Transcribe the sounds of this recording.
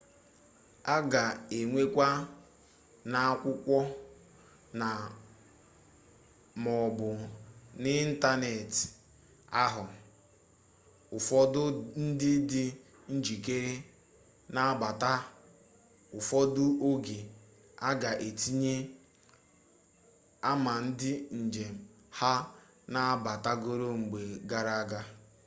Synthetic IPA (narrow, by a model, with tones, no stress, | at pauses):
a˦ɡa˨e˨ŋʷe˦kʷa˦ | na˨a˦kʷʊ˦kʷɔ˦ | na˨ | mɔ˨bʊ˨nɪ˦n̩˦ta˦ne˨t | a˦ɦʊ˨ | ʊ˨fɔ˦dʊ˦n̩˦dɪ˦dɪ˦ | n̩˦d͡ʒi˨k̬e˦ɾe˦ | na˦ba˨ta˦ | ʊ˨fɔ˦dʊ˦o˦ɡe˨ | a˦ɡa˨ʔe˨ti˦ɲe˦ | a˦ma˨n̩˦dɪ˦n̩˨d͡ʒe˨m̩˨ | ha˦ | na˦a˦ba˨ta˦ɡo˦ɾo˦ŋ͡m̩˨ɡ͡be˨ɡa˦ɾa˦a˦ɡa˦